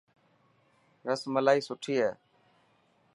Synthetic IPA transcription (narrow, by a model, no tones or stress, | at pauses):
ɾəsməlaːiːsʊʈʰiːɦeː